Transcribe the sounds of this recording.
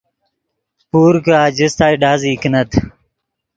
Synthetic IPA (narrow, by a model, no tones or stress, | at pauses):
puːɾkaːd͡ʑist̪aːiɖaːziknɐt̪ʰ